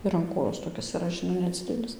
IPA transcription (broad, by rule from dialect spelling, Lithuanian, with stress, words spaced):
ɪr ɐn ˈkoːjoːs toːˈkʲɪs ɪˈrɐ ʒʲɪˈnɐɪ nʲɛˈd͡zʲɪdʲɛlʲɪs